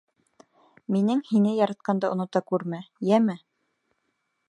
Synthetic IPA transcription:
minɘŋhinɘjɑɾɑt̪̚qɑnd̪ɑʔŏnŏt̪ɑkʉɾmæjæmɘ

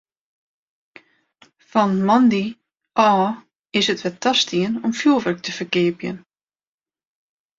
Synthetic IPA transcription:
fɔnmɑndi | ʔɔː | ɪsətʋɛtʰɑstʰiənɔmfjuːlˠʋərk̚tʰəfərkɪəpjən

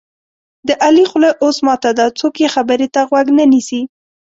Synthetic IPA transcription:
d̪əʔalixʊləʔosmɑt̪ad̪at͡sokjexabəɾet̪aɣwaɡnənisi

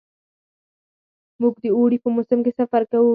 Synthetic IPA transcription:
muɡd̪əoɽipəmʊsɪmkesafaɾkawu

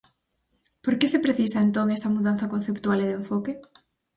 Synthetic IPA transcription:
poɾkesepɾeθisɐent̪oŋesɐmuðanθɐkon̟θept̪ualeðeɱfoke

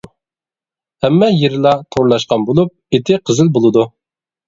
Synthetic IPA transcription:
hɛmːɛjeɾɪlˠɑt̪ʰoɾlˠɑʃqɑnbolˠup̚et̪ʰɪqʰəzɪlbolˠɨd̪u

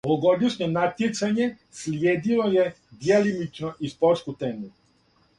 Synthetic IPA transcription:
ooɡod̪iʃɲonat̪jet̪saɲe | sljeːd̪iloje | d̪ialimit͡ʃnoʔispoɾt̪skut̪enu

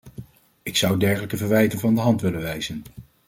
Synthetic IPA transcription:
ɪksʌwdɛɹχələkəvəɹʋɛjtənvɑndəɦɑntʋɪləʋɛjzən

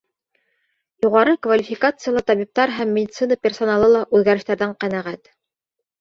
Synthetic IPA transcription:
juʁɑɾɤkvɐlʲifʲɪkat̪sɨjalˠɑt̪ɑβip̚t̪ɑɾɦæmːɪdʲɪt̪sɨnəpʲersonalˠɤlˠɑʔʉðɡæɾɘ̆ʃt̪æɾðæŋqænæʁæt̪

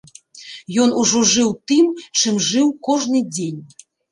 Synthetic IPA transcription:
jɔnuʐɔʐɨwt̪ɨmt͡ʂɨmʐɨwkɔʐnɨd͡zʲenʲ

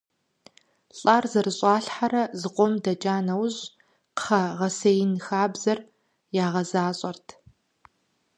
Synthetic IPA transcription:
ɬʼaːrzɐrɨɕʼɑːɬħaɾɐzɨqʷɔmdɐt͡ʃʼaːnɐwʑ | qχɐʁɐsejɪnxaːbz̥ɐr | jaːʁɐzaːɕʼɐrtʰ

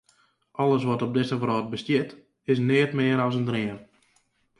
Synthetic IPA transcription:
ʔɔləs̬ʋɔtɔb̚dɪsəvrɔːt̚bəstjɪt | ɪs̬nɪətmɪəɾɔs̬əndrɪən

